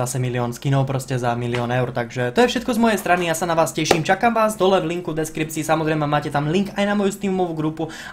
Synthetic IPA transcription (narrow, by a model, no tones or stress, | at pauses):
asɛmiliɔːnskinɔʊpɾɔscɛzamiliɔːnɛʊɾt̪aɡʒɛt̪ɔjɛfʃɛt̪̚kɔzmɔjɛjst̪ɾanijasanaʋaːscɛʃiːmt͡ʃakaːmʋaːzd̪ɔlɛvliŋkud̪ɛskɾip̚t͡siːsamɔzɾɛjmɛmaːcɛt̪amliŋkajnamɔjust̪iːumɔʋuɡɾupu